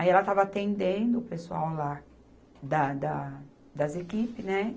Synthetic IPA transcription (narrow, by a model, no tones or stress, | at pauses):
aiɛlɐt̪avɐat̪ẽnd̪ẽnd̪ʊːpesua̰wla | d̪ɐd̪ɐ | d̪ɐzekipɪnɛ